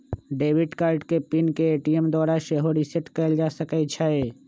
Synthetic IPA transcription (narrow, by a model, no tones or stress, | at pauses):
ɖeːʋɪɖkaːɾʈkepinkeeːʈiemd̪ɔːɾaʃeɦoɾisɪʈkɛːld͡ʒaːsəket͡ʃʰae